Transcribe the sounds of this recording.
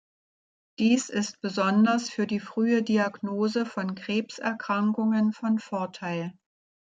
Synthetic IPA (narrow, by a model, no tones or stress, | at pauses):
d̥iːsɪst̚b̥əzɔndɐsfyːɐdiːfʁ̥yːədiaɡnoːzəfɔnkʁ̥eːpsɛɐkʁ̥aŋkʊŋənfɔnfɔɐtʰaɪl